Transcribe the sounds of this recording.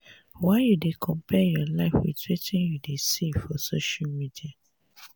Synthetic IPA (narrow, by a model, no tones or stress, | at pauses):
waɪjudekʰɔ̃mpʰɛjɔlaɪfwḭtwetĩnjudesefɔsoʃalmidia